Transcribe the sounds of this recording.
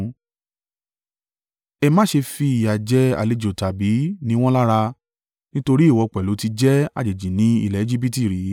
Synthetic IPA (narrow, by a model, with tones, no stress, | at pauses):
ɛ˧mã˦ʃe˧fi˧i˨ja˨d͡ʒɛ˨˦a̰˨le˧˨d͡ʒo˨ta˨bi˨˦nĩ˧˦w̃ɔ̃˦la˦ɾa˧ | nĩ˦to˧ɾi˦i˦˨wɔ˨˧k͡pɛ˨lu˨˦ti˧d͡ʒɛ˦a̰˨d͡ʒe˨d͡ʒi˨nĩ˨˦ḭ˦˨lɛ˨e˦d͡ʒi˦bi˦ti˨ɾi˨˦